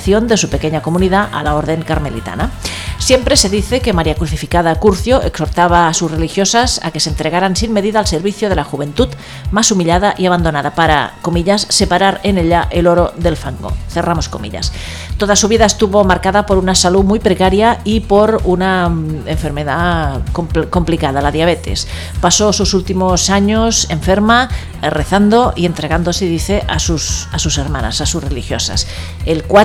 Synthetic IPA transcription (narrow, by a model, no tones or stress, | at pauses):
θjo̞nd̪e̞supe̞keɲako̞muniðaʔa̰lao̞ɾð̞e̞ŋkaɾme̞lit̪a̰nasje̞mpɾe̞se̞ðiθe̞ke̞maɾiakɾuθifikaðakuɾθjoʔekso̞ɾt̪aβ̞aːsusre̞lixjo̞sasa̰ke̞sent̪ɾeɣ̞aɾansimme̞ðiðaːlse̞ɾβiθjoðe̞laxuβ̞e̞nt̪ut̪ | masumiʎaðaʔiaβ̞and̪o̞naðapaɾa̰ko̞miʎasːe̞paɾaɾe̞neʎaʔelo̞ɾo̞ðe̞lfaŋɡo̰θe̞ramo̞skomḭʎa̰s | t̪oðasuβ̞iðaest̪uβo̞maɾkaðapo̞ɾunasalumujpɾekaɾjaipo̞ɾunaeɱfe̞ɾme̞ðakopko̞mplikaðalaðjaβ̞et̪ḛs | pasosusult̪imosaɲose̞ɱfeɾma | reθand̪oie̞nt̪ɾeɣ̞and̪oseðiθeʔasusasuseɾmana̰sasusrelixjosa̰s | elkwa